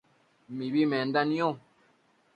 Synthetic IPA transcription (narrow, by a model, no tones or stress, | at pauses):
mibimɛn̩danjɔ